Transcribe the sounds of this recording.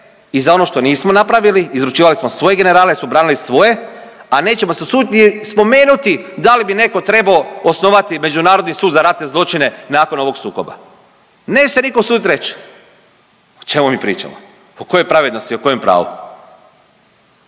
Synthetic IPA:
izao̞no̞ʃt̪o̞niːsmo̞napɾaʋiliːzɾut͡ʃiːʋalismo̞sʋo̞je̞ɡe̞ne̞ɾaːleismo̞bɾaːnilisʋo̞je̞ | ane̞ːt͡ɕe̞moseosuːd̪it̪ispo̞me̞ːnut̪id̪alibine̞ko̞t̪ɾe̞baoosno̞ʋat̪ime̞d͡ʒunaːɾod̪nisuːd̪zaɾat̪ne̞zlˠo̞t͡ʃine̞naːko̞no̞ʋo̞ɡsuːko̞̰ba̰ | neːt͡ʃesenikosuːd̪it̪ɾe̞t͡ʃ | ot͡ʃe̞mumipɾḭːt͡ʃa̰mo | oko̞jojpɾaʋe̞d̪no̞st̪ioko̞jempɾa̰ːʋṵ

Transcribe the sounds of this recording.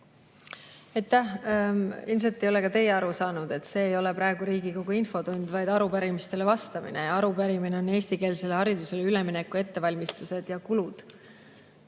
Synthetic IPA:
ejt̪ːˑæh | ilms̬et̪ːˑe̞jo̞le̞kɑt̪e̞jeɑɾusɑːnud̪̥e̞t̪se̞ːjo̞le̞pɾɑeɡ̥uɾiːɡiko̞ɡ̥uinfo̞t̪unʲd̪̥vɑjd̪̥ɑɾupæɾimist̪e̞le̞vɑst̪ɑmḭne̞jɑɑɾupæɾimine̞o̞ne̞ːst̪ike̞ːlse̞lehɑɾid̪use̞leyle̞mine̞kːˑue̞t̪ːe̞vɑlʲmist̪use̞d̪̥jɑkulud̪̥

